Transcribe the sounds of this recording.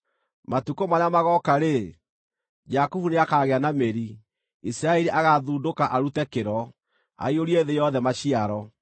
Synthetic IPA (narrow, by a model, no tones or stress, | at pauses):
matukomaɲamaɣɔkaɾe | d͡ʒakuvuneakaːɣeanameɾi | isiɾaɛɾiʔaɣaðuːdokaʔaɾutɛkeɾɔ | a̰ioɾieðejɔðɛmaɕiaɾɔ